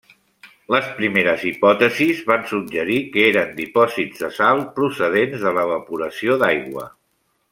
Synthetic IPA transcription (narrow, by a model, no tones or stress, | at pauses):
ləspɾimeɾəzipɔt̪əzizβansudd͡ʒəɾikəeɾənd̪ipɔzid͡zðəsalˠpɾusəð̞enzðələβəpuɾəsioðajɣwə̰